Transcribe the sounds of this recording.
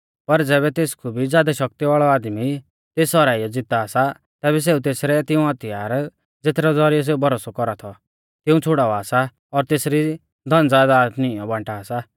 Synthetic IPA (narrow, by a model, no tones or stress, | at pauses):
pɐɾd͡zɛːβɛt̪eːskʰubʱid͡zjaːd̪aʃɐk̚t̪iʋaːɭɔaːd̪mi | t̪eːsɔɾaːijɔd͡zɪt̪aːsa | t̪ɛːβɛs̬eːũt̪eːsɾɛt̪ɪũɐt̪ɪjaːɾ | d͡zet̪ɾɔd͡zɔɾijɔs̬eːubʱɔɾoːsɔkɔɾat̪ʰɔ | t̪ɪũt͡sʰʊɽaːʋaːsa | ɔɾt̪eːsɾi | d̪ʱɐ̃nd͡zaːd̪anɪ̃ɔbãɳʈaːsa